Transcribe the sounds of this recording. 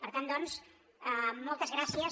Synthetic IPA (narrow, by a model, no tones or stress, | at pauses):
pəɾt̪and̪ɔns | əmɔlˠt̪əzɣɾasiə